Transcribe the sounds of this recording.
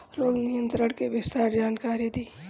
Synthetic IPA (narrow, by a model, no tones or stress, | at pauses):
loːɡnɪjənt̪ɾəɽkebɪst̪aɾd͡ʒaːnkaːɾid̪iː